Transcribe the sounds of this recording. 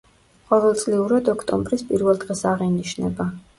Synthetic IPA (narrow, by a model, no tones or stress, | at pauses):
qʼɔvɛlˠt̪sʼliuɾad̪ɔkʰt̪ʼɔ̰mbɾispʼiɾvɛlˠd̪ʁɛsaʁiniʃnɛ̰ba